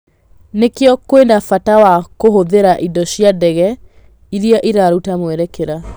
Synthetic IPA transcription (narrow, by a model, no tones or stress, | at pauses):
nekeɔkwenafatawakoɦoðeɾaʔidɔɕiadɛɣɛ | iɾiaʔiɾaɾutamwɛɾɛkeɾa